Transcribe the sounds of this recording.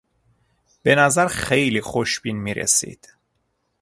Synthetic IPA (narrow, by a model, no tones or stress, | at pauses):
b̥e̞næzæɾxejlixoʃb̥inmiɾḛsḭd̪̥